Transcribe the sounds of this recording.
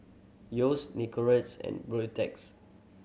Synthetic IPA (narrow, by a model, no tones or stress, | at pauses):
josnikɔɹətsɛ̰̃nbɹotɛ̰ks